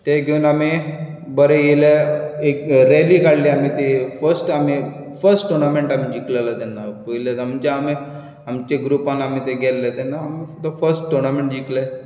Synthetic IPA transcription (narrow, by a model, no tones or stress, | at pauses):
t̪eɡʱeunami | bəɾejeleekɾelikaɽliamit̪efəɾsʈami | fəɾsʈʈuɾnameɳʈamid͡ʑiklalat̪ɛnːapoilat̪amt͡ɕaːmi | amt͡ɕeɡɾupanamit̪eɡʱɛlːet̪ɛnːaːmid̪əfəɾsʈʈoɾnameɳʈ̚d͡ʑikle